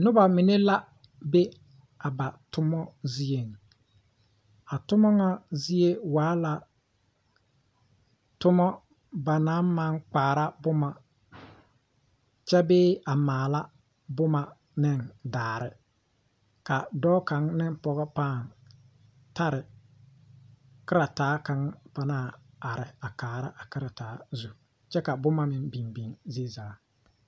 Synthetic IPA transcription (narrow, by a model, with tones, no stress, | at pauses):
nʊ˦ba˨mi˨ne˦la˦ | be˦ | a˨ba˨tʊ˦mɔ˦zi˦e˨ŋ˨ | a˨tʊ˦mɔ˦ŋa˦zi˦e˦waː˨˦la˨ | tʊ˦mɔ˦ | ba˨na˨˦nma˦ŋk͡paː˨ɾa˦bʊ˦ma˨ | t͡ʃɛ˦beː˦a˨maː˨la˦ | bʊ˦ma˨ | nɪ˦ndaː˨ɾɪ˨ | ka˨dɔː˦ka˨ŋnɪ˦npɔ˨ɣɛ˦paː˦˨n | ta˦ɾɪ˨ | kɪ˦ɾa˨taː˨˦ka˨˦ŋpa˦naː˦˨ | a˨ɾɪ˨a˨kaː˨ɾa˦ʔa˨kɪ˦ɾa˨taː˨˦zu˨ | t͡ʃɛ˦ka˨bʊ˦ma˦mɪ˨nbi˨nbi˨ŋze˦zaː˨˦